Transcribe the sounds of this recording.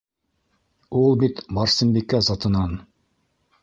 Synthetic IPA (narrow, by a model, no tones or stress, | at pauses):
ulˠbit̪bɑɾsɘ̆mbikæzɑt̪ɤ̆nɑn